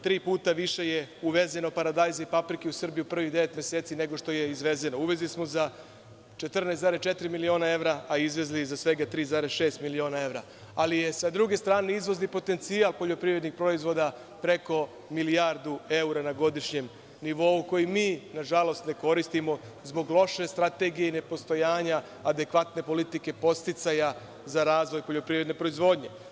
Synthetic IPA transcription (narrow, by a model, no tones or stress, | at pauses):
t̪ɾiːpuːt̪aʋiʃe̞jeuʋe̞zenopaɾad̪ajzaipapɾikeusr̩bijupr̩ʋiɣd̪e̞ʋe̞t̪mʲje̞seːt̪sine̞ɡo̞ʃt̪o̞je̞izʋe̞ze̞no̞uʋezlismo̞za | t͡ʃe̞t̪r̩nesaːɾest͡ʃe̞t̪iɾimilio̞nae̞ʋɾaaizʋe̞zlizasʋe̞ɡat̪ɾiːzaɾesʃe̞ːst̪milio̞ːnae̞ʋɾa | alije̞sad̪ɾuɡe̞st̪ɾaːne̞izʋo̞znipo̞t̪e̞nt̪sialˠpo̞ʎo̞pɾiʋɾe̞d̪nixpɾo̞izʋo̞d̪a | pɾe̞ko̞ | milijaɾd̪ue̞uɾanaɡo̞d̪iʃɲe̞m | niʋo̞uko̞jimiːnaʒalo̞st̪ne̞ko̞ɾist̪imo̞ | zbo̞ɡlˠo̞ʃe̞st̪ɾat̪e̞ɡijeine̞po̞st̪o̞jaːɲaː | d̪e̞kʋat̪ne̞po̞lit̪ike̞po̞st̪it̪saja | zaɾaːzʋo̞jpo̞ʎo̞pɾivɾe̞d̪ne̞pɾo̞izʋo̞ːd̪ɲe̞